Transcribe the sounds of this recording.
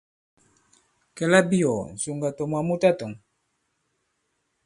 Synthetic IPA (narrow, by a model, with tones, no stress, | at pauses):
kɛ˨la˦bi˦jo˨n˨su˨ŋɡa˨tɔ˨mwa˨mu˦ta˦tɔ˨ŋ